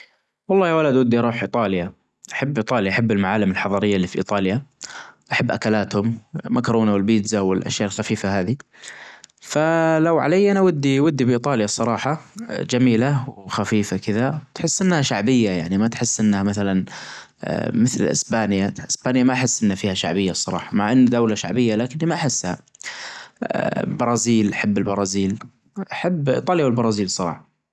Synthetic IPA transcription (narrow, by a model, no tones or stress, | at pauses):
wɑlˤːɑːjawalad̪wad̪ːiʔɑɾˤuːħʔiːt̪ˤɑːlja | ʔaħabːʔɨːt̪ˤɑːljaʔaħabːɪlmaʕaːlɪmɪlħɑðˤɑɾɪjːalːiːfiʔḭːt̪ˤɑːljaʔaħabːʔakalaːt̪hʊmmakɾˤuːnawɪlbiːd̪zawɪlʔa̰ʃjaːʔɪlxafiːfahaːði | falawʕa̰lajːʔanaawad̪ːiwʊd̪ːibʔiːt̪ˤɑːljasˤɑɾˤɑːħɑd͡ʒamiːlawxafiːfakɪðat̪ħɪsːʔɪnːhaʃaʕbɪjːajaʕnimat̪ħɪsːʔɪnːhamaθalan̰ | mɪθlʔɪ̰sbaːnjaʔɪsb̥aːnjamaʔħɪsːʔɪnːafiːhaʃa̰ʕbɪjːasˤɑɾˤɑ̰ːħɑmaʕʔanːd̪awlaʃa̰ʕbɪjːalaːkɪnːimaʔaħɪsːha̰ | bɑɾˤɑːziːlʔaħabːɪlbɑɾˤɑːziːl | ʔaħabːt̪ˤɑːljawɪlbɑɾˤɑːziːlsˤɑɾˤɑ̰ːħɑ